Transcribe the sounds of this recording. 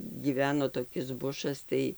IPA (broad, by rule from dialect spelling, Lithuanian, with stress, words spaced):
ɡʲiːˈʋʲæːnoː toːˈkʲɪs ˈbʊʃɐs ˈtɐɪ